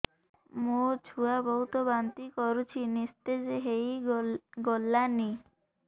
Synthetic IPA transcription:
mot͡ʃʰuabɔɦut̪ɔbant̪ikɔɾut͡ʃʰinist̪ed͡ʒeɦej | ɡolːani

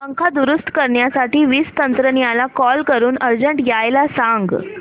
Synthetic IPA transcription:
əŋkʰad̪uɾust̪kəɾɳjasaʈiːʋiːst̪ənt̪ɾənijalakɔlkəɾuːnəɾd͡ʑəɳʈɡjajlasãŋɡ

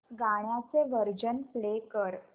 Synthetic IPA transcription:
ɡaɳ̃jat͡seʋəɾd͡ʑənplekəɾ

